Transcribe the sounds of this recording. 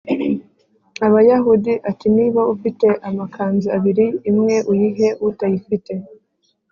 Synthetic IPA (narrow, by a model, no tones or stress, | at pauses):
aβajaɦudiʔatiniːβaufite̞ʔamakʰaːnziaβiɾiːmŋe̞ʔujiɦe̞utajifite̞